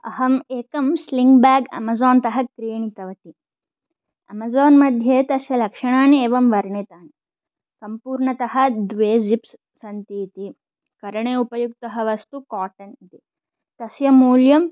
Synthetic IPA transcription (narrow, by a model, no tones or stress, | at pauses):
ɐ̰ɦɐmeːkɐmsliŋɡbaːɡɐ̰mɐzoːnt̪ɐɦɐkɾijɐɳit̪ɐʋɐʈi | ɐ̰mɐzoːnmɐd̪ʱjet̪ɐsjɐlɐkʂɐɳaːneːʋɐmʋɐɾɳet̪aːni | sɐmpuːɾɳɐt̪ɐɦɐ̆d̪ʋeːd͡ʒips | sɐnt̪iːt̪i | kɐɾɐɳeːupɐjuk̚t̪ɐɦɐʋɐst̪ukaːʈɐnit̪e | t̪ɐsjɐmuːljɐm